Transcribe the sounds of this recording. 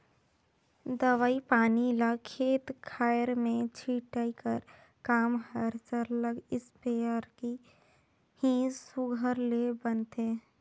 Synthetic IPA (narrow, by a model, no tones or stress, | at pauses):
d̪əʋaːipaːnilakʰeːt̪kʰaːjəɾmẽt͡ʃʰiːʈaikəɾ | kaːmɦəɾt͡ʃəɾləɡɪspeːəɾki | hĩːd͡ʒsʊɡʱəɾlebənt̪eː